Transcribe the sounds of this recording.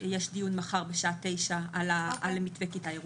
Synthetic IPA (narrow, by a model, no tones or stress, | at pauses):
jeʃdijunmaχaʁbeʃaʔat̪e̞jʃaalaʔalmit̪bekitaeʁ